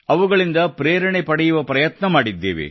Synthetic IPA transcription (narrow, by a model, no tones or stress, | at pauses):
ɐʋuɡɐɭind̪ɐpɾeːɾɐɳepɐɽɛjuʋɐpɾɐjɐt̪nɐmaːɽid̪ːḛːʋḛ